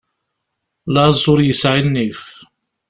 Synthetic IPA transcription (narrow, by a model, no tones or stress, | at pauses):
lɑzˤʊɾjəsʕinːiθ